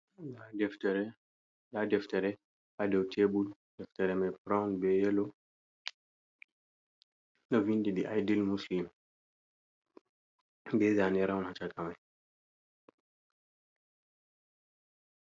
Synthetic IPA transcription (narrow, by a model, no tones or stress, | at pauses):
ɛtɛɾ | dadɛftɛɾɛ | ʔadɛwtʰebuldɛftɛɾɛmajpɾawnbɛjɛlɔ | nɔvindidiʔajdilmuslim | bɛzanɛɾawnhat͡ʃakamaj